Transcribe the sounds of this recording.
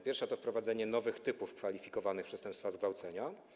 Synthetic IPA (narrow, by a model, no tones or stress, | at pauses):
pʲjɛɾfʂat̪ɔfpɾɔvad̪zɛɲɛnɔvɘxt̪ɘpufkfalʲifʲikɔvanɘxpʂɛst̪ɛmpst̪fazɡvawt̪sɛɲa